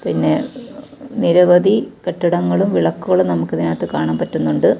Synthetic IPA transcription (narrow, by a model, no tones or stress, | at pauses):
pinːe̞ | niɾɐʋɐd̪ikɐʈːuɽɐŋːɐɭumʋiɭɐkːuɣɐɭumnɐmukːɐðinaːt̪ːekaːɳaːmpɐtːunːuɳɖɨ